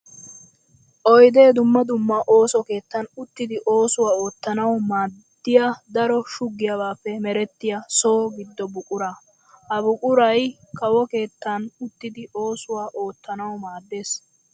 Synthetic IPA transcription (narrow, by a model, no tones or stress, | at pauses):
ʔɔjd̪e̞ːd̪ʊmːɐd̪ʊmːɐʔo̞ːsɔke̞ːt̪ːɐnʊt̪ːɪd̪ɪʔo̞ːsʊwaːo̞ːt̪ːɐnɐwmaːd̪ːɪjad̪ɐɾɔʃʊɡːɪjɐbaːfːɛmɛɾɛt̪ːɪjaso̞ːɡɪd̪ːɔbʊkʼʊɾɐ | ɐbʊkʼʊɾɐj | kɐwɔke̞ːt̪ːɐnʊt̪ːɪd̪ɪʔo̞ːsʊwaːʔo̞ːt̪ːɐnɐwmaːd̪ːe̞ːs